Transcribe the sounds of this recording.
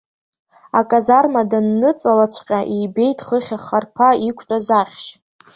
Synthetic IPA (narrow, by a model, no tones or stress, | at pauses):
akʼazarmadanːɨt͡sʼalat͡ʃʷʰʼqʲʼaʔijbe̞jtʼχəχʲaχarpʰaikʷʰtʷʼazaχʲʃ